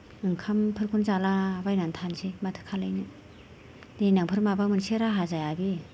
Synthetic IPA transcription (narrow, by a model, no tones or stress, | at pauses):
ɯŋkʰampʰɯɾkʰunzalabajnantʰansematʰɯ̥kʰalajnɯ | denaŋpʰɯɾmabaŋmɯnseɾaɦazajabi